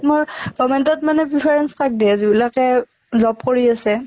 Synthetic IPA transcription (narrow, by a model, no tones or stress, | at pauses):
tmʊɹɡɔmɛntɔtmanɛpɹipʰaɹɛnskak̚diazibilakɛ | zɔpkoɹiasɛ